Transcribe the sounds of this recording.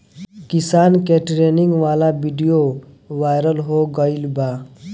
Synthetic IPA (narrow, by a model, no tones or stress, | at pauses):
kɪsaːnkeʈɾeːnɪ̃ŋɡʋaːlabiɖijo | ʋaːɪɾəlɦoɡəilbaː